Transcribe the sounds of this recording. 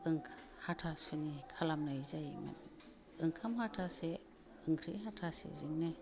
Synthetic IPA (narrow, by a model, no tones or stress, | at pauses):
ɯŋkʰ | hatʰasunikʰalamnajzajma̰n | ɯŋkʰamhatʰase | ɯŋkʰɾḭɦatʰasḛzɯŋnɯ